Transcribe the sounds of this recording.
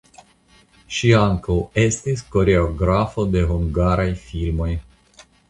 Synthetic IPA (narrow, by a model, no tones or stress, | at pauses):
ʃiaŋkolest̪ist̪ko̞ɾe̞oɡɾafod̪e̞ɦuŋɡaɾajfilmoj